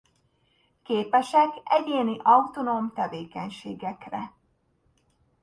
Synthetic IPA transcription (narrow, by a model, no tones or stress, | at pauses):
keːpɛʃɛkɛɟeːniʔɒut̪onomt̪ɛveːkɛɲʃḛːɡɛkrɛ̰